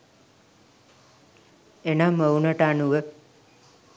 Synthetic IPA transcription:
enaməwnəʈanuʋə

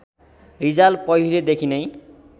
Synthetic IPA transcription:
ɾid͡zalpɔjuled̪ekʰinej

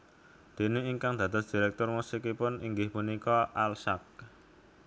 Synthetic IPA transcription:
d̪̥e̤neiŋkaŋd̪̥ä̤d̪ɔ̤sd̪̥i̤ɾɛk̚t̪ʊrmusikipʊniŋɡɪhpunikɔʔalsak̚

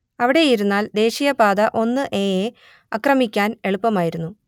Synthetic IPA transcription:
ɐʋiɽe̞jiɾunːaːld̪e̞ːɕijɐbaːd̪ɐʔo̞nːɨʔe̞ːje | ɐkrɐmikʲːaːne̞ɭupːɐmaːjiɾunːu

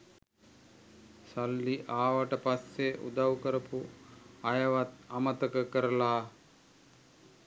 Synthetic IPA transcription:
sɐlːiʔaːʋəʈəpasːeʔṵd̪ɐwkəɾɐpuɐjɐʋat̪amət̪əkəkəɾɐlaː

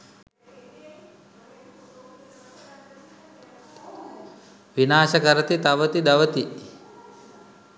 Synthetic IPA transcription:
ʋinaːʃəkəɾət̪it̪aʋət̪id̪ɐʋət̪i

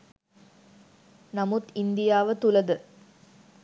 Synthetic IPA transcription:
nɐmut̪ind̪ijaːʋət̪ulɐd̪ə

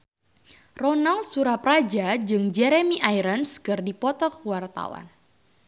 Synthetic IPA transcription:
rɔnalsuɾaprad͡ʒad͡ʒɨŋd͡ʒɛɾemiʔajɾənskɨrdipɔt̪ɔkwart̪a̰wa̰n

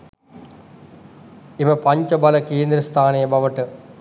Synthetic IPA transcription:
eməpaɲt͡ʃəbalɐkeːnd̪ɾəst̪ʰaːnejəbaʋəʈə

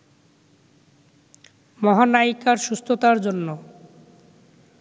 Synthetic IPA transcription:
mɔɦanaikːaɾʃust̪ʰot̪aɾd͡ʑonːo

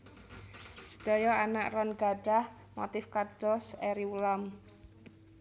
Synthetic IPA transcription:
sə̥d̥ɔjɔanaʔrɔnɡaɖ̥ah | mo̰t̪ɪfkad̥ɔsɛɾiwulam

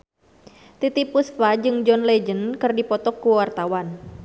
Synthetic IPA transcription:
t̪it̪ipusfad͡ʒɨŋd͡ʒɔnlɛd͡ʒənkɨrdipɔt̪ɔkːuwart̪awan

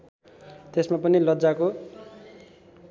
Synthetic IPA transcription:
t̪esmapʌnilʌdd͡zako

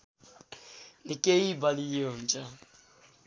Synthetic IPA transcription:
nikʼeibalijɔːnd͡ʒʼa

